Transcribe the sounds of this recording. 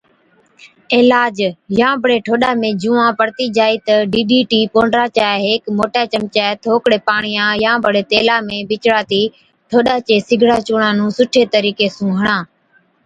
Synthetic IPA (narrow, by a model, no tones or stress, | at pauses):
ɪːlaːd͡ʒjãːbʱəɽeːʈʰoːɗaːmẽːd͡ʒũːãːpəɾt̪iːd͡ʒaːiːt̪əɖiːɗiːʈiːpõːɳɖɾaːt͡ʃaːɦeːkmoːʈaːt͡ʃəmt͡ʃaːt̪ʰoːkɽeːpaːɳ̃ɪjãːjãːbəɽeːt̪eːlaːmẽːbɪt͡ʃɽaːt̪iː | ʈʰoːɗaːt͡ʃeːsɪɡʱɽaːt͡ʃuːɳãːnũːsʊʈʰeːt̪əɾiːkeːsũːɦəɳ̃ãː